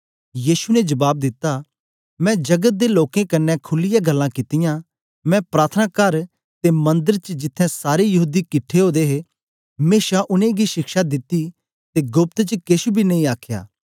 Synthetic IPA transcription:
jiːsunɛd͡ʒɐbaːb̚d̪ɪt̪ːa | mɛ̃d͡ʒɐɡət̪̚d̪eloːkẽkɐnːɛkʰʊlːɪjaɡɐlːãkɪt̪ɪjã | mɛ̃pɾaːt̪ʰənaːkɐɾ | t̪emɐ̃nd̪əɾt͡ʃəd͡ʒɪt̪ʰːɛ̃saːɾejɐɦuːd̪ikɪʈʰːeɦoːd̪eɦe | meːʃaʔʊnẽɡiʃɪkʃad̪ɪt̪ːi | t̪eɡʊp̚t̪t͡ʃəkesubʱinɐ̃ĩaːkʰja̰ː

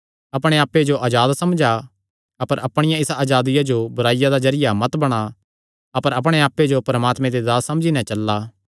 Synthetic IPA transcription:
ɐpɽ̃eaːpːed͡ʒoʔaːd͡ʒaːd̪sɐmd͡ʒa | ɐpəɾʔɐpɽ̃ɪjãɪsaːd͡ʒaːd̪ɪjad͡ʒobʊɾaːɪjad̪azɐɾɪjamɐt̪bɐɽ̃a | ɐpəɾɐpɽ̃eaːpːed͡ʒopɾɐmaːt̪mẽd̪ed̪aːsːɐ̃md͡ʒinɛ̃t͡ʃɐlːaː

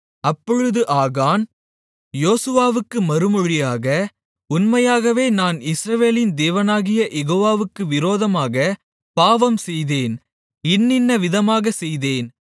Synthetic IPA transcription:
ɐpːɔɻɯðɯʔaːɣaːn | joːsɯʋaːʋɯkːɯmɐɾɯmɔɻɪjaːɣɐ | ʊnmɐjaːɣɐʋeːnaːnɪsɾɐʋeːlɪnd̪eːʋɐnaːɣɪjɐʔɛɣoːʋaːʋɯkːɯʋɪɾoːðɐmaːɣɐ | paːʋɐmsɛjðeːn | ɪnːɪnːɐʋɪðɐmaːɣɐsɛjðeːn

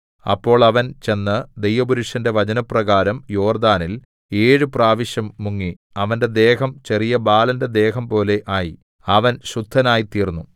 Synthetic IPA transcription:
ɐ̰pːo̞ːɭɐʋɐnt͡ɕe̞nːɨd̪ejʋɐbuɾuʂɐnde̞ʋɐd͡ʑɐnɐprɐɣaːɾɐmjo̞ːrd̪aːnil | eːɻɨpraːʋiɕjɐmːuŋːi | ɐʋɐnde̞d̪e̞ːɦɐmt͡ɕe̞rijɐbaːlɐnde̞d̪e̞ːɦɐmpo̞ːle̞ʔaːji | ɐʋɐnɕrud̪ʱːɐnaːjit̪iːrnːu

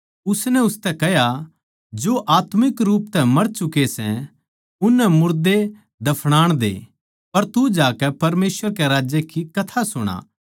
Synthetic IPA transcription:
ʊsnɛ̃ʊst̪ɛkɛɦja | d͡ʒoʔaːt̪mɪkɾuːp̚t̪ɛmɐɾt͡ʃʊkesɛ̰̃ | ʊnːɛmʊɾd̪e | d̪ɐpʰɽ̃aːɽ̃d̪ḛː | pɐɾt̪ud͡ʒaːkɛpɐɾmeːsʋəɾkeɾaːd͡ʒjekikɐt̪ʰasʊɽ̃a̰ː

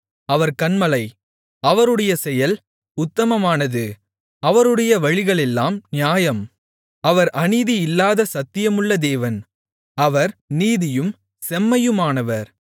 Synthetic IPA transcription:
ɐʋɐɾkɐnmɐlɐɪ | ɐʋɐɾɯɽɐjɐsɛjɐl | ʊt̪ːɐmɐmaːnɐðɯ | ɐʋɐɾɯɽɐjɐʋɐɻɪɣɐɭɛlːaːmnɪjaːjɐm | ɐʋɐɾʔɐniːðiɪlːaːðɐsɐt̪ːɪjɐmɯɭːɐd̪eːʋɐn | ɐʋɐɾniːðɪjɯm | sɛmːɐjɯmaːnɐʋɐɾ

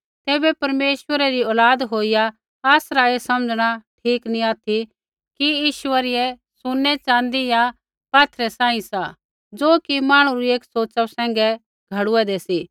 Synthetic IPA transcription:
t̪eːbɛpɐɾmeːʃwəɾɛɾiɔːlaːd̪ɦoːɪja | aːsɾaesɐməd͡zɽ̃aʈʰiːknĩaːt̪ʰi | kijiːʃʊəɾɪjɛ | sʊnːɛt͡ʃãːnd̪ija | paːt̪ʰɾɛsãːĩsa | d͡zoːkimaːɽ̃ũɾieːksoːt͡ʃasɛ̃ːŋ̆ɡɛ | ɡʱɐɽʊɛd̪eːsiː

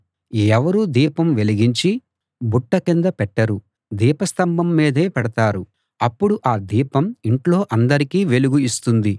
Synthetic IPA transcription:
ɛʋɐɾuːd̪iːpɐmʋe̞liɡiɲt͡ʃi | buʈːɐkind̪ɐpɛʈːɐɾu | d̪iːpɐst̪ɐmbɐmːiːd̪e̞ːpɛɽɐt̪aːɾu | ɐpːuɽuʔaːd̪iːpɐmiɳʈlo̞ːʔɐnd̪ɐɾikiːʋe̞luɡuist̪und̪i

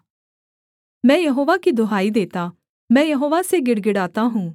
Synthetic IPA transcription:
mɛ̃ːjɐɦoːʋakid̪ʱoɦaːid̪eːt̪a | mɛ̃ːjɐɦoːʋaseɡɪɽɡɪɽaːt̪aɦũː

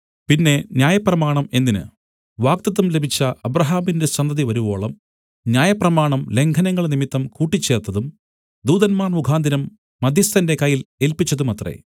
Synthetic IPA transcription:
pinːe̞njaːjɐprɐmaːɳɐme̞ndinɨ̰ | ʋaːk̚t̪ɐt̪ːumle̞bʱit͡ɕːɐɐbrɐɦaːmindeɐnd̪ɐðiʋɐɾuʋo̞ːɭɐm | njaːjɐprɐmaːɳɐmle̞ŋkʰɐnɐŋːɐɭnimit̪ːɐmkuːʈːit͡ɕːe̞ːrt̪ːɐðum | d̪uːðɐnmaːrmuɡʱaːnd̪ʱinɐmː | ɐd̪ʱjɐst̪ɐnde̞kɐjːile̞lpit͡ɕːɐðumɐt̪rḛ

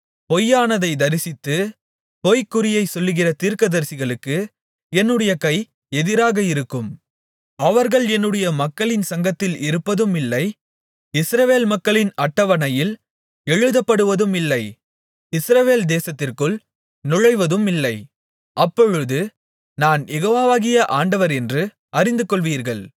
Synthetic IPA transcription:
pɔjːaːnɐðɐɪd̪ɐɾɪsɪt̪ːɯ | pɔjkːʊɾɪjɐɪsɔlːɯɣɪrɐt̪iːɾkɐðɐɾsɪɣɐɭɯkːɯ | ɛnːɯɽɐjɐkɐɪ | ɛðɪɾaːɣɐɪɾɯkːɯm | ɐʋɐɾɣɐɭɛnːɯɽɐjɐmɐkːɐɭɪnsɐŋɡɐt̪ːɪlɪɾɯpːɐðɯmɪlːɐɪ | ɪsɾɐʋeːlmɐkːɐɭɪnɐʈːɐʋɐnɐjɪl | ɛɻɯðɐpːɐɽɯʋɐðɯmɪlːɐɪ | ɪsɾɐʋeːld̪eːsɐt̪ːɪrkɯɭ | nʊɻɐɪʋɐðɯmɪlːɐɪ | ʔɐpːɔɻɯðɯ | naːnjɛɣoːʋaːʋaːɣɪjɐʔaːɳɖɐʋɐɾɛndrɯ | ʔɐɾɪnd̪ɯkɔɭʋiːɾɣɐɭ

